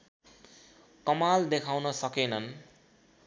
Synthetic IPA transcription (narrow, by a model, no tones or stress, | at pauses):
kʌmald̪ekʰawnʌsʌkenʌn